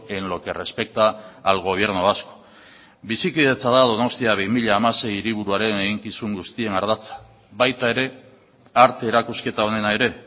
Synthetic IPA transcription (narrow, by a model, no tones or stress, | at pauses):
e̞nlo̞ke̞re̞spe̞k̚t̪aːlɣo̞β̞je̞ɾnuasko̥ | bisikiðe̞t͡saðað̞o̞no̞st̪iaβ̞imiʎaːmase̞jiɾiβ̞uɾuaɾe̞ne̞ɣiŋkisuŋɡust̪ie̞ŋaɾðat͡sḁ | βajt̪ae̞ɾe̞ | aɾt̪e̞ːɾakuske̞t̪ao̞ne̞nae̞ɾe̞